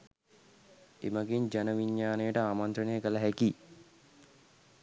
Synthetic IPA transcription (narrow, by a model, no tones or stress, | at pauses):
eməɡeɲd͡ʒanəʋiɲːaːnejəʈəaːmant̪ɾənejəkələɦæki